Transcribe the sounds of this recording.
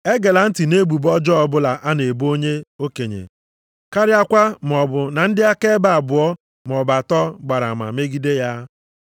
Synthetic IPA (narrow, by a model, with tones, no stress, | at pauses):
e˦ɡe˨la˨n̩˦ti˨ne˦ɡ͡bu˨bɔ˦d͡ʒɔ˦ɔ˨bʊ˦la˨ʔa˦ne˨bo˦ɲe˦o˦ke˨ɲḛ˨ | ka˦ɾɪ˦a˦kʷa˦m˨ɔ˨bʊ˨na˨n̩˦dɪ˦a˦ke˦ba˨a˨bʊ˨ɔ˦ | m˨ɔ˨ba˨tɔ˦ɡ͡ba˨ɾa˨ma̰˨me˦ɡi˦de˦ja˦